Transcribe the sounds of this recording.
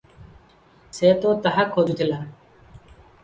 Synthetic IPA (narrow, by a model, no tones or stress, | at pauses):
seːt̪oːt̪ɐɦakʰːoːd̪ut̪ʰɪlaː